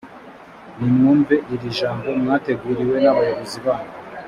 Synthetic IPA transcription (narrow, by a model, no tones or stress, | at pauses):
nimŋuːɱveʔiɾiʒaːmbo̞mŋaːte̞ɡuːɾiwe̞naβajuβoziβaːno